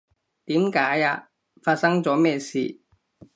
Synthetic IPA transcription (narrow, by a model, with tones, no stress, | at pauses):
t̪iː˨˥mkaː˨˥jaː˧ | faː˧t̚sɐ˥ŋt͡sɔː˨˥mɛː˥˧siː˨˩